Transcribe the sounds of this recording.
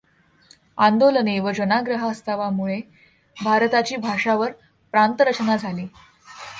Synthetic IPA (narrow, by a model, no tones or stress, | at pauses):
and̪oləneʋəd͡ʑənaɡɾəɦəəst̪aʋamuɭe | bʱaɾt̪at͡ɕiːbʱaʂaʋəɾ | pɾant̪əɾət͡ɕnad͡zʱaliː